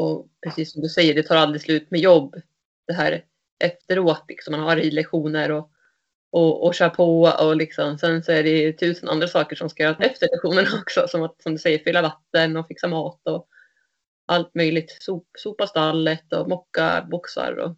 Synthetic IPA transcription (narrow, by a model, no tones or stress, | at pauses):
ɔpʰɾɛsiːsːɔmd̪ɵsɛjːəɖɛt̪ʰɑːɾald̪ɾɪslʉ̟ːt̪mɛjɔbː | d̪̥ɛɦæ̰ːɾ | ʔɛft̪əɾoːt̪lɪksɔmːanhaɾiːlɛkɧuːnəɾɔ | ɔɔɕœːɾpʰoɔlɪksɔmsɛnsɔæɖɛt̪ʰʉ̟ːsənʔa̰nd̪ɾasɑːkəʂɔmskajœːɾaɛft̪əɭɛkɧuːnənaɔksɔsɔmat̪sɔmd̪ɵsɛjːəɾfiːlavat̪ːənɔfɪksamɑːt̪ɔ | ʔalt̪mœjlɪɡ̚t̪suːpsuːpast̪alːət̪ɔmɔkːa̰bʊksa̰ɾɔ̰